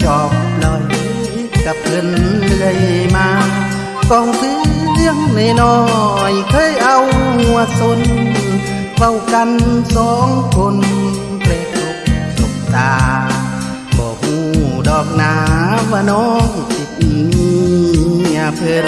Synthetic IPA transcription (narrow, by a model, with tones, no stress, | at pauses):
t͡ɕɔː˧˩k̚lɔː˧˩j | ka˧˩p̚ʰɯ˧˩nlɯ˧əjmaː˧ | kɔː˧ŋkʰɯː˧˥lɯ˧əŋna˧˩˨nɔː˧jkʰɤː˧˥˨jʔa˧wŋu˧əso˧˥n˧ | ʋa˧˩˨wka˧nsɔː˨˦ŋkʰo˧n | pɛː˧t̪o˧k̚su˧˩k̚t̪aː˨ | bɔː˧˩huː˧˩dɔː˨˩k̚naː˨˧˦baː˧nɔː˧˥˦ŋ˨sʰe˧˩t̪̚ʔi˧˩niː˧ | a˧pʰɯ˧